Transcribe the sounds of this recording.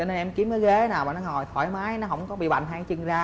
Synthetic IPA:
t͡ɕɔ˧ne˧nʔɛ˧mki˨˦əmkəː˨˦ɣe˨˦naː˨˩wɓaː˨nɔ˧˦ŋɔ˨˩jt̪ʰwaː˧˩˦jmaː˨˦jnɔ˨˦ɦə˧˩wŋ͡mkɔ˨˦ɓḭ˧˨ɓa̰˧˨jŋ̟ɦa˧jt͡ɕɨ˨˧˩ŋzaː˧

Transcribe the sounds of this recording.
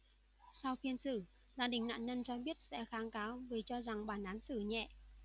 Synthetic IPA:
sa˧wfi˧ənsɨ˧˩ | zaː˧ɗï˨˩ŋ̟na̰ː˧˨nɲə˧nt͡ɕɔ˧ɓi˦˥ət̚sɛ̰˧˥xaː˨˦ŋkaː˨˦wvəː˨˩t͡ɕɔ˧za˨˩ŋɓaː˧˩nʔaː˨˦nsɨ˧˩ɲɛ̰˧˨ʔ

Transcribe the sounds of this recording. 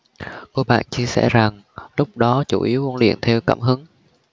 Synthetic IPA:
ko˧ɓa̰ː˧˨nt͡ɕi˧əsɛ̰˧˩za˨˩ŋ | lʊ˦˥k͡p̚ɗɔ˨˦t͡ɕu˧˩ʔi˨˦əwu˧˦nlḭ˧˨ənt̪ʰɛ˧wka̰ː˧˩mɦɨ˨˦ŋ

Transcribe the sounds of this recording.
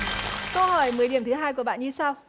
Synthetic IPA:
kə˧whɔː˧˩jmɨ˨˦əjɗi˧˩əmt̪ʰɨ˨˦ɦaː˧jk̬u˧˩əɓa̰ː˧˨ɲɨ˧saː˧w

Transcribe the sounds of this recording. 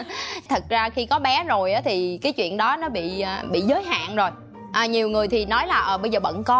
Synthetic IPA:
t̪ʰə˨˩t̚zaː˧xi˧kɔ˨˦ɓɛ˨˦zo˨˩jʔaː˨˦t̪ʰi˨˩kaː˨˦jt͡ɕwḭ˧˨ənɗɔ˨˦nɔ˨˦ɓḭ˧˨əː˨˩ɓḭ˧˨zəː˨˦jɦa̰ː˧˨nzo˨˩j | ʔəː˨˩ɲi˨˩əwŋɨ˨˩əjt̪ʰi˨˩nɔ˨˦jlaː˨˩ʔəː˨˩ɓə˧jzəː˨˩ɓə̰˧˨nkɔ˨˧˦

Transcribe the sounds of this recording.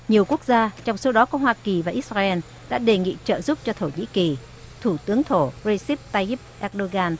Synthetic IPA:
ɲi˨˩əwku˦˥ək̚zaː˧t͡ɕɔ˧wŋ͡mso˨˧˦wɗɔ˨˦kɔ˨˦ɦwaː˧ki˨˩vaː˨˩ʔi˦˥t̚zaː˧ʔɛ˧n | ɗa̰ː˧˥ɗe˨˩ŋḭ˧˨t͡ɕə̰ː˧˨zu˦˥p̚t͡ɕɔ˧t̪ʰo˧˩ɲḭ˧˥ki˨˩ | t̪ʰu˧˩t̪ɨ˨˦əŋt̪ʰo˧˩zə˧jsi˦˥p̚t̪aː˧jʔi˦˥p̚ʔɛ˦˥k̚ɗo˧ɣaː˧n

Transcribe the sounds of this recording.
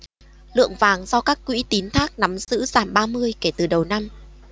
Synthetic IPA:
lɨ̰˧˨əŋvaː˨˩ŋzɔ˧kaː˦˥kːwḭ˧˥t̪i˨˦nt̪ʰaː˦˥k̚na˨˦mzɨ̰˧˥zaː˧˩mɓaː˧mɨ˧əjke˧˩t̪ɨ˨˩ɗə˨˩wna˧m

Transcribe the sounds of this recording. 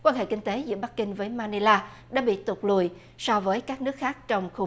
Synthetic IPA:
kwaː˧nɦḛ˧˨kï˧ŋt̪e˨˦zɨ̰˧˥əɓa˦˥k̚kï˧ŋ̟vəː˨˦jmaː˧ne˧laː˧ | ɗa̰ː˧˥ɓḭ˧˨t̪ʊ˨˩k͡p̚lṵ˧˨j | sɔ˧vəː˨˦jkaː˦˥k̚nɨ˦˥ək̚xaː˦˥k̚t͡ɕɔ˧wŋ͡mxu˧

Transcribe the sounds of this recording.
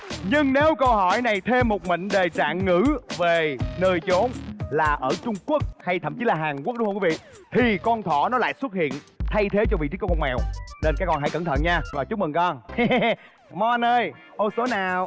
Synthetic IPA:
ɲɨ˧ŋne˨˦wkə˧wɦɔ˧˩jna˨˩jt̪ʰe˧mːo˨˩t̚mə̰˧˨ŋ̟ɗe˨˩t͡ɕa̰ː˧˨nːɨ̰˧˥ve˨˩nəː˨˩jt͡ɕo˨˦nlaː˨˩ʔəː˧˩t͡ɕʊ˧ŋ͡mku˦˥ək̚ha˧jt̪ʰə̰˧˨mt͡ɕi˨˦laː˨˩ɦaː˨˩ŋk̚ɗŋ͡mhə˧kwi˨˦vḭ˧˨ | t̪ʰi˨˩kɔ˧nt̪ʰɔ˧˩nɔ˨˦la̰ː˧˨jswə˦˥t̚hḭ˧˨ənt̪ʰa˧jt̪ʰe˨˦t͡ɕɔ˧vḭ˧˨t͡ɕ̪i˦˥kːkɔ˧ŋmɛ˨˩wne˧nkaː˨˦˥kɔ˧˩nɦa̰˧˥jkə˧˩nt̪ʰə˧˨nɲaː˧vɔː˨˩t͡ɕu˦˥k͡p̚mɨ˨˩ŋkɔ˧n | mɔ˧˩nəː˧jʔo˧˩so˨˦naː˨˩w

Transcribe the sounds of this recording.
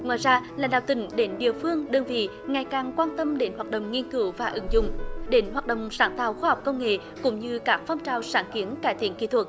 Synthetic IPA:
ŋwa̰ː˧˨jzaː˧laː˨˩ɗa̰ː˧˨wt̪ï˧˩˦ŋ̟ɗe˨˦nɗḭ˧˨əfɨ˧əŋɗəː˧nvḭ˧˨ | ŋa˨˩jkaː˨˩ŋkwaː˧nt̪ə˧mɗe˨˦nhwaː˨˩t̚ɗə̰˧˨wŋ͡mŋi˧ənkɨ˨˦wvaː˨˩ʔɨ˨˦ŋzʊ̰˧˨ŋ͡mɗe˨˦nɦwaː˨˩t̚ɗə̰˧˨wŋ͡msaː˧˦˥nt̪aː˧˨˩wxwaː˧ha˨˩wk͡p̚kə˧wŋ͡mŋḛ˧˨ | kʊ̰˧˥ŋ͡mɲɨ˧kaː˦˥k̚fɔ˧wŋ͡mt͡ɕaː˨˩wsaː˧˥nki˨˦ənkaː˧˥˩jt̪i˧˩˦ənkḭ˧˥˩t̪ʰwə˨˩t̚

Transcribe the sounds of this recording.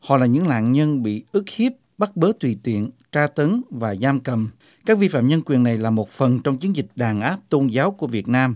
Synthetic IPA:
hɔ̰˧˨laː˨˩ɲɨ̰˧˥ŋla̰ː˧˨ŋɲə˧nɓḭ˧˨ʔɨ˦˥k̚hi˦˥əp̚ɓa˦˥t̚ɓəː˨˦t̪wi˧˩t̪ḭ˧˨ənt͡ɕaː˧t̪ə˨˦ŋvaː˨˩zaː˧mkə˨˩˨m | kaː˦˥k̚vi˧fa̰ː˧˨mɲə˧nkwi˨˩ənːa˨˩jlaː˨˩mo˨˩t̚fə˨˩nt͡ɕɔ˧wŋ͡mt͡ɕi˨˦ənzi˨˩k̟̚ɗaː˨˩nʔaː˦˥p̚t̪o˧nzaː˨˦wku˧˩əvi˨˩ət̚naː˧m

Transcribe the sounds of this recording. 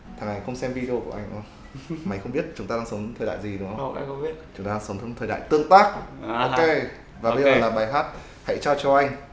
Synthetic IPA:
t̪ʰa˨˩ŋa˨˩jxə˧wŋ͡msɛ˧mvi˧ɗi˧o˧ku˧˩ʔa˧jŋ̟ʔə˧wŋ͡m | ma˨˦jxə˧ŋ͡mɓi˦˥ət̚t͡ɕʊ˨˦ŋ͡mt̪aː˧ɗaː˧ŋsə˨˦ŋ͡mt̪ʰəː˨˩ja̰ː˧˨jzi˨˩ɗɨ˨˦ŋə˧˦˧a̰˧ə˧ɓi˦˥ət̚t͡ɕʊ˨˦ŋ͡mt̪aː˧a˧sə˨˦wt̪ʰːŋt̪ʰəː˨˩jɗa̰ː˧˨jt̪ɨ˧əŋt̪aː˦˥k̚ʔo˧ke˧ | vaː˨˩ɓə˧jzəː˨˩laː˨˩ɓaː˨˩jɦaː˦˥t̚ | ha̰˧˥jt͡ɕɔ˧t͡ɕɔ˧ʔa˧jŋ̟

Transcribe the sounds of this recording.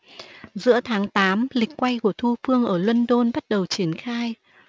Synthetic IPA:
zɨ̰˧˥ət̪ʰaː˨˦ŋt̪aː˨˦mlï˨˩k̟̚kwa˧jku˧˩ət̪ʰu˧fɨ˧əŋʔəː˧˩lwə˧nɗo˧nɓa˦˥t̚ɗə˨˩wt͡ɕi˧˩ənxaː˧j

